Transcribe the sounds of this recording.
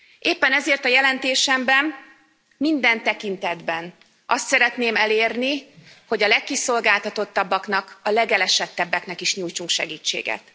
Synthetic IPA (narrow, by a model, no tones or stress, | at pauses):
ʔeːpːɛnɛzeːrt̪ɒjɛlɛnt̪eːʃɛmbɛmː | ind̪ɛnt̪ɛkint̪ɛd̪bɛn | ʔɒst̪sɛɾɛt̪neːmɛleːrniho̞ɟɒlɛkːiso̞lɡaːlt̪ɒt̪o̞t̪ːɒbːɒknɒkɒlɛɡɛlɛʃɛt̪ːɛbːɛknɛkiʃɲuːjt͡ʃuŋkʃɛ̰ɡiːt͡ʃːḛːɡɛ̰t̪